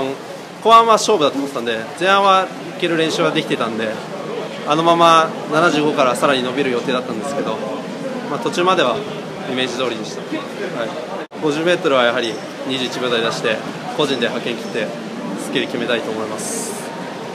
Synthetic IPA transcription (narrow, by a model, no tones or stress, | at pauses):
koβãβaɕo̞ːbɯ̟d̪at̪oːmot̪ːãnd̪e̞zẽ̞ɰ̃ãɰ̃βa | ike̞ɾɯ̟ɾẽ̞ɰ̃ɕɨːβad̪e̞kʲit̪et̪ãnd̪e̞ | ano̞mama | nanaʑɨːɡo̞kaɾasaɾaɲ̟inobʲiɾɯ̟jo̞t̪e̞ːd̪at̪ːãnd̪e̞sɨ̥ke̞d̪o̞ | mat̪o̞t͡ɕɨːmad̪e̞βa | ime̞ːʑizo̞ːɾʲid̪e̞ɕi̥t̪ḁ | hai | ɡo̞ʑɨːme̞ːt̪o̞ɾɯ̟β̞ajaɦaɾʲi | ɲ̟iʑɨːit͡ɕibʲjo̞ːt̪aɾid̪aɕi̥t̪e̞ | ko̞ʑĩnd̪e̞ɦakẽ̞ŋkʲi̥t̪ːe̞ | sɨ̥kʲeɾikʲime̞t̪ait̪o̞ːmo̞imasɨ̥